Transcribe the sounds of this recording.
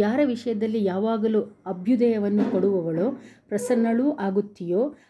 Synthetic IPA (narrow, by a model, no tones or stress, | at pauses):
jaːɾɐʋiʂɐjɐd̪ɐlːijaːʋaːɡɐluɐbʱjud̪ɐjɐʋɐnːukɐɽuʋɐʋɐɭopɾɐsɐnːɐɭuːʔaːɡut̪ːijoː